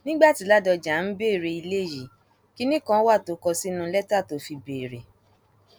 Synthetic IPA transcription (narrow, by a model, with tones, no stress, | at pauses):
nĩ˦ɡ͡ba˦˨ti˨˧˦la˦dɔ˧d͡ʒa˨n̩˦be˦˨ɾe˧i˧le˦˨ji˨ | ki˦nĩ˦kã˦wa˦˨to˨˦kɔ˧si˦nũ˧˦lɛ˦ta˦˨to˨˦fi˧be˨ɾe˨